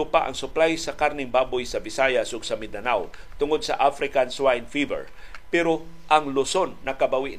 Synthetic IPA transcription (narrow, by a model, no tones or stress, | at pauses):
ʊpaʔɐ̰ŋsʊplajsɐkaɾnɪŋbaːbojsɐbɪsajasʔʊɡsɐmɪd̪ɐnawt̪ʊŋod̪̚sɐ̰ʔafɾɪkanswajnfivɛ̰ɹ | pɛɾoʔɐŋlʊso̞nːɐkɐbɐwɪʔ